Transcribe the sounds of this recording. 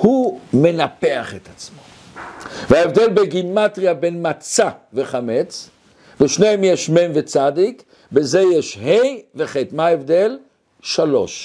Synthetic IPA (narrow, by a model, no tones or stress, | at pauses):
hume̞nape̞aχet̪at͡smo̞ | veaevd̪e̞lbeɡimat̪ʁiabenmat͡saveχamet͡s | veʃnejemjeʃmenvet͡sad̪ik | bezejeʃhejveχet̪maaevd̪el | ʃalo̞̰ʃ